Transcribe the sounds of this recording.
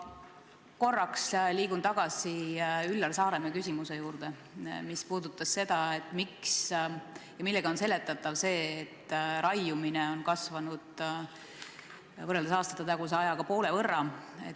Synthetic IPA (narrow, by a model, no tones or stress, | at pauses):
ko̞rːɑksliːkunt̪ɑɡ̥ɑsiylːɑlsɑːɾe̞mɑkysʲimuse̞juːɾd̪̥e̞ | mispuːd̪̥ut̪ːˑɑsse̞d̪̥ɑe̞t̪ːˑmiks | jɑmilːɛɡ̥ɑo̞nse̞le̞t̪ːˑɑt̪ːˑɑvse̞ːt̪ːɾɑjumineo̞nkɑsvɑnud̪̥ | vɤreld̪esɑːst̪ɑ̥t̪ːɑt̪ɑɡus̬eɑjɑkɑpo̞ːle̞vɤrːɑḛ